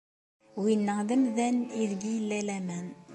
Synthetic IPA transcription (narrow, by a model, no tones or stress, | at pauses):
winːəðəmðæniðɡijlːælæmæn